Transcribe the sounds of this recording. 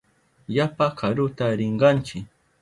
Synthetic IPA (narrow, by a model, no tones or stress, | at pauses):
japakʰaɾʊt̪aɾɪɴɢɑnt͡ʃɪk